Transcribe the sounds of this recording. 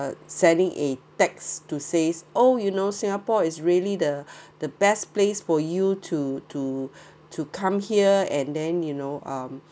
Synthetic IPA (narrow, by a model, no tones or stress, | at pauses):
sɛ̃ndɪ̃ŋʔḛtɛkstusesʔojunosĩŋapɔɪsɹiəlidəd̥əbɛsplesfɔjutʰutʰu | tʰukʰãmhiəɛ̃ndɛ̃njunoʔʌ̃m